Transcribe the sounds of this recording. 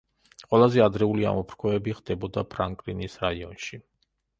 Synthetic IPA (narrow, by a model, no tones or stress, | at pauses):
qʼwɛlˠazɛad̪ɾɛulia̰mɔpʰɾkʰɔɛbiχd̪̥ɛbɔd̪apʰɾaŋkʼlinisɾaiɔnʃi